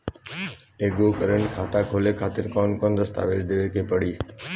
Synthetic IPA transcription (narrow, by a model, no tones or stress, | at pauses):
eːɡoːkəɾəɳkʰaːt̪aːkʰoːleːkʰaːt̪ɪɾkɔːnkɔnd̪əst̪a̰ːʋeːd͡ʒd̪eːʋekeːpəɽiː